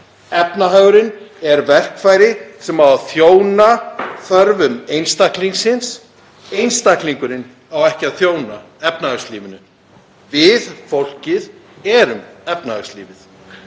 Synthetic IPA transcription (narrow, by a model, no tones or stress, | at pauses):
ɛpnaɦœːɣʏɾɪnɛɾvɛr̥kfaːjɾɪsɛmawaθjoːwnaθœɾvʏmejnst̪ahkliŋsɪns | ejnst̪ahkliŋkʏɾɪn | awɛhcɪaðθjoːwna | ɛp̚nahœsliːvɪnʏ | vɪðfowl̥cɪðɛɾʏmɛpnahœwsliːvɪθ